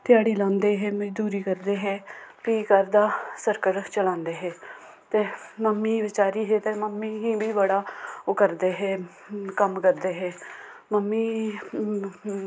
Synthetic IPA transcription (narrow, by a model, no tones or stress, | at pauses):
t̪ɪjaːɽiːlãːnd̪eːɦɛːmd̪uːɾiːkəɾd̪eːɦɛːpiːkəɾd̪aːsəɾkəɾt͡ʃəlãːnd̪eːɦɛː | t̪eːməmːiːʋɪt͡ʃaːɾiːɦeːt̪eːməmːiːɦĩːbiːbəɽaːokəɾd̪eːɦɛː | kəmkəɾd̪eːɦɛː | məmːiː